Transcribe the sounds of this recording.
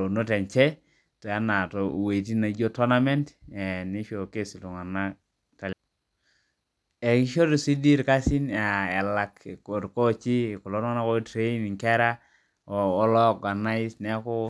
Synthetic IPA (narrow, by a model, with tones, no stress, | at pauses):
o˨no˦tɛ˨ɲt͡ʃɛ˦ | to˨a˦na˨to˨we˨i˨ti˦na˨˦d͡ʒo˦to˦na˦me˦ntɛ˨ni˦ʃo˨ke˦si˨lu˨ŋa˨na˦ | ta˨l | e˨ki˦ʃo˦ɾi˨si˦di˦ɾka˦si˦nja˨ɛ˨la˨kko˨ɾko˦t͡ʃi˦˨ko˨lo˦n˦ŋa˦na˦ko˦tɾe˦i˦ni˨ŋkɛ˦ɾa˦ | oː˨˦lɔ˦˨ɡa˨na˦i˦snɛ˦ko˦